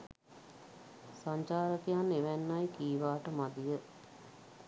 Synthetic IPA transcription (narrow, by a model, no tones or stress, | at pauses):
saɲt͡ʃaːɾəkijaneʋænːajkiːʋaːʈəmad̪ijə